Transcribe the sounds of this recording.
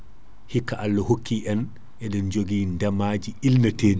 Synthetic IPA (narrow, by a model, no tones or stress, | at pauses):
hikːaʔalːɔhokːiʔɛn | ʔɛɗɛnd͡ʒoɡiːndamaːd͡ʒiilnateːd͡ʒu